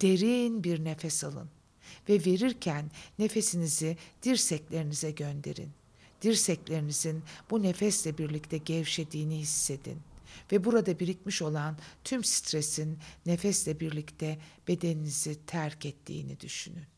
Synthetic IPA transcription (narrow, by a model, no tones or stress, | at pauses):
d̪̥e̞ɾinbiɾnefɛsalˠɯ̰n | vɛve̞ɾiɾcʰænːe̞fe̞sinizid̪̥iɾsɛclʲe̞ɾinizɛɟønd̪e̞̰ɾḭn | d̪̥iɾsɛclʲe̞ɾinizinbune̞fɛslʲɛbiɾlʲic̚t̪ʰɛɟɛvʃe̞d̪iːnihisːe̞d̪ḭnvɛbuɾad̪abiɾic̚miʃo̞lˠant̪ʰymsi̥t̪ɾe̞sinːe̞fɛslʲɛbiɾlʲict̪ʰɛb̥e̞d̪e̞ninizit̪ʰæɾcɛt̪ʰːḭːnḭd̪yʃy̰nyn